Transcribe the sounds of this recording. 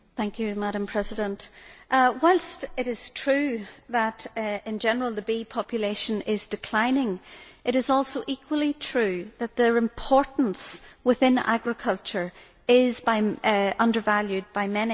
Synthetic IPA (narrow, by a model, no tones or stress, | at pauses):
θæ̃ŋkjʉmaɾə̃mpʰɹ̥ɛzɪdə̃ntʔwaɪlˠstɪɾɪz̥tʰɹ̥ʉðəɾɪ̃nd͡ʒɛnə˞əl̩ˠðəbipʰɑpjɨleʃə̃nɪzdɨkʰl̥ãɪ̃nɪ̃ŋʔɪɾɨzɔlˠsoʊʔikʰwəlˠitʰɹ̥ʉðət̪̚ðə˞ɪ̃mpʰɔɹʔn̩swɪθɪ̃na̰ɡɹɪkʰʌlˠt͡ʃə˞ | ɪzbaɪʌ̃ndə˞valˠjʉd̚baɪmɛni